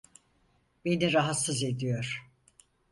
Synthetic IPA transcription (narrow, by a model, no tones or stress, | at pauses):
b̥e̞niɾaɦat̪sɯze̞d̪ijo̞ɾ̥